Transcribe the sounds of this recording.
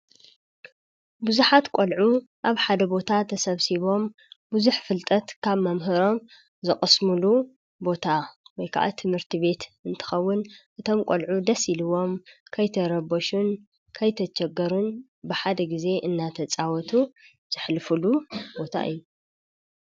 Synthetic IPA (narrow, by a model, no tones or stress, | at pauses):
buzuħat̪kʼolʕu | ʔaβħad̪ɐbo̞t̪ʰat̪ʰɐsɐβsiβo̞m | buzuħfɨlt̪ʼɐt̪kʰaβmɐmɦɨɾo̞m | zɨχʼɨsmulu | bo̞t̪ʰawɔjkʰa̰ʔa̰t̪ʰɨmhɨɾt̪ʰiβe̞t̪ɨnt̪ʰɨ̥xɐwːʊnʔɨt̪ʰo̞mkʷʼolʕud̪ɐsilɨwo̞mkʰɐjt̪ʰɐɾɐbɐʃun | kʰɐjt̪ʰɐt͡ʃɐɡːɐɾun | bɨħad̪ɐɡize̞ʔɨnːat̪ʰɐt͡sʼawɔt̪ʰu | z̥ɨħlɨfɨlubo̞t̪ʰa̰ʔɨ̰jːu